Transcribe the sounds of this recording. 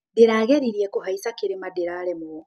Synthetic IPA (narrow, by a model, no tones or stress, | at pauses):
deɾaːɣɛɾiɾiɛkohaisakeɾemadeɾaɾɛmo